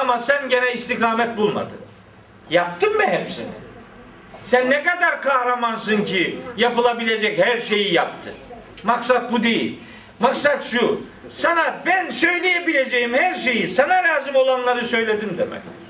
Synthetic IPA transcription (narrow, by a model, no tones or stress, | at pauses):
amasænɟe̞nɛist̪ʰikʰaːmɛt̪̚bulˠma̰d̪ɯ | jap̚t̪ɯmmɛɦɛpsḭnḭ | sænːɛkad̪aɾkʰahɾamansɯncijapɯlˠabilʲe̞d͡ʒɛchæɾʃe̞jijap̚t̪ʰɯ | maksat̪̚bud̪e̞jḭlʲ | maksat̪ʃu | sanabænsø̞jlʲejebilʲe̞d͡ʒe̞jimhæɾʃe̞jisanaɾaːzimo̞lˠanlˠaɾɯsø̞jlʲe̞d̪ind̪ḛmɛ̰c